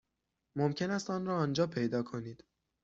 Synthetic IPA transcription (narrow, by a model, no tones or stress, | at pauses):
momcʰe̞næst̪ɒːnɾɒːnd͡ʒɒːpʰe̞jd̪ɒːkʰo̞niːd̪̥